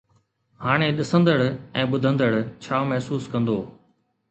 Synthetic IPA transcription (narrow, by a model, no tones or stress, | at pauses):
haːɽ̃eɗɪsə̃nd̪əɽɛ̃ːɓʊd̪ʱə̃nd̪əɽt͡ɕʰaːmɛɦsuːskɐ̃nd̪oː